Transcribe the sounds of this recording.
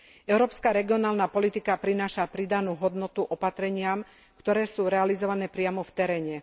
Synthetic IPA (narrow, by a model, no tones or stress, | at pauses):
ʔɛʊɾɔːpskaɾɛɡiɔnaːlnapɔlit̪ikapɾinaːʃapɾid̪anuːɦɔd̪nɔt̪uʔɔpat̪ɾɛɲɪam | kt̪ɔɾɛːsuːɾɛalizɔʋanɛːpɾɪamɔft̪ɛɾɛːɲɛ